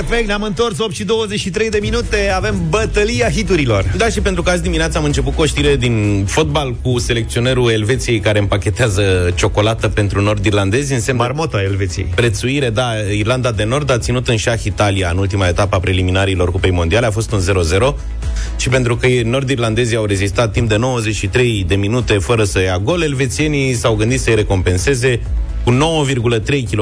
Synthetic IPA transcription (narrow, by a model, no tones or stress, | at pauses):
efekt̪namɨnt̪o̞rsop̚t̪ʃid̪o̞wəzet͡ʃʃit̪ɾe̞jd̪e̞minut̪e̞ave̞mbət̪əliaɦit̪uɾilo̞rd̪aʃipe̞nt̪ɾukəat̪z̬ʲd̪imineat̪səamɨnt͡ʃe̞put̪̚kuoʃt̪iɾe̞d̪infot̪̚balkuse̞le̞k̚t̪sio̞ne̞ɾue̞lve̞t̪sije̞jkaɾeɨmpakʲe̞t̪eazət͡ʃo̞ko̞lat̪əpe̞nt̪ɾuno̞rd̪irland̪e̞zʲɨnsemmarmot̪oaelvet̪sijḛjpɾe̞t̪suiɾe̞d̪a | irland̪ad̪e̞no̞rd̪at̪sinut̪ɨnʃaxit̪aliaɨnult̪imae̞t̪apəapɾeliminaɾilo̞rkupe̞jmo̞nd̪ialeafo̞st̪unze̞ɾo̞ze̞ɾo̞ | ʃipe̞nt̪ɾukəno̞rd̪irland̪e̞ziawɾe̞zist̪at̪̚ːimp̚d̪eno̞wəzet͡ʃʃit̪ɾe̞jd̪e̞minut̪e̞fəɾəsəjaɡo̞le̞lve̞t̪sije̞nisawɡɨnd̪it̪səjɾe̞ko̞mpe̞nse̞ze̞ | kuno̞wəvirɡulət̪ɾe̞jkʲilo